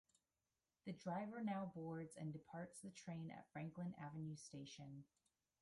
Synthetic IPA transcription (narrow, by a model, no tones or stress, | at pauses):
ðɨdɹaɪvə˞naʊbɔɹdzɨ̰̃ndɨpʰɑɹtsðɨtʰɹ̥ẽɪ̃nɨ̰tfɹæ̃ŋklɨ̃nævɨ̃n̩jʉsteɪʃɨ̃n